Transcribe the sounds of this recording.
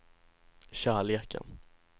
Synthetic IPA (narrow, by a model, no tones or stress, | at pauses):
ɕæːɭeːkʰə̰n